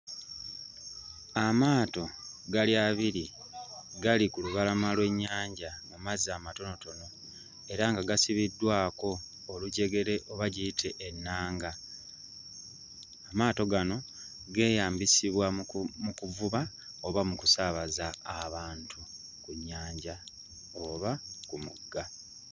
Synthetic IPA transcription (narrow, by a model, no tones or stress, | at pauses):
amaːto̞ɡaljaβiɾi | ɡalikuluβalamalwe̞ɲːaːɲɟamumazamato̞no̞to̞no̞ | e̞ɾaŋɡaɡasiβidːwaːko̞ː | luɟe̞ɡe̞ɾe̞ʔo̞βaɟitʰe̞ʔːnːaːŋɡa | maːto̞ɡano̞ | ɡe̞ːjaːmbisiβwamukuvuβa | oβamukusaβazaːβaːntʰu | kuɲːaːɲɟa | oβakumṵɡːa